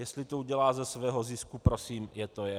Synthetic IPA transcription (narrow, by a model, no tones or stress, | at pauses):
jɛst̪lɪt̪ouɟɛlaːzɛsvɛːɦo̞zɪskupɾosiːmjɛt̪ojɛ